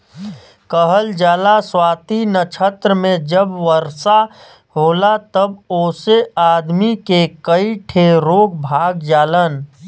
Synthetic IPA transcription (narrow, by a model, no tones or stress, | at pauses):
kəɦəld͡ʒaːlaswaːt̪inət͡ʃʰət̪ɾəmẽd͡ʒəbʋəɾsa | ɦoːlat̪əboːseaːd̪mikekəiʈʰeɾoːk̚ʰbʱaːɡd͡ʒaːlən